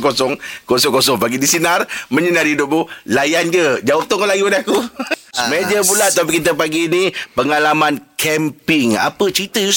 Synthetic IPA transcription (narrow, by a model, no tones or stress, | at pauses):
kosɔŋkosɔŋkosɔŋpaɡidisinarmə̃ɲənarhidʊp̚mulajand͡ʒəd͡ʒawap̚t̪ɔʊŋkɔʔlaɡiwanakusmaad͡ʒəmulat̪apikit̪̬əpaɡiːnipəŋalamankʰɛmpɪŋa̰pət͡ʃəɾit̪əjus